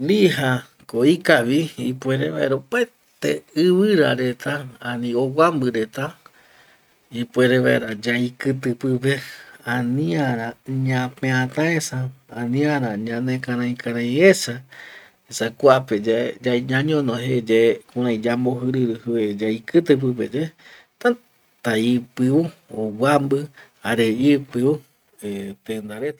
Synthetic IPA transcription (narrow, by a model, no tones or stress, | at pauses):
liɦa | koikaβiipweɾḛβa̰eɾope | t̪ḛɨβɨɾa̰ɾet̪ʰaanĩowambɨɾet̪a | ipweɾeβa̰eɾad͡ʒajkɨt̪ɨpɨpeãnĩaɾãɲãpẽãt̪ãesaãnĩãɾãɲãnẽkãɾãĩkʰaɾãj̃ĩesa | esakʷaped͡ʒed͡ʒaiɲãɲõnõɦed͡ʒekũɾãĩd͡ʒamboɦɨɾɨɾɨhɨed͡ʒaikɨt̪ɨp̬ɨp̬ed͡ʒe | t̪ã | t̪aipɨuowambɨ | aɾeipɨu | et̪end̪aɾet̪a